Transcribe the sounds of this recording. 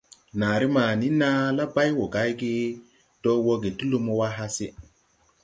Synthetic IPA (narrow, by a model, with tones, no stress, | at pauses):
na˨ɾi˦ma˨ni˦na˦la˦ba˦jwo˨ɡa˦jɡi˦ | to˦wo˦ɡe˨tu˦lu˦mo˦wa˦ɦa˦se˦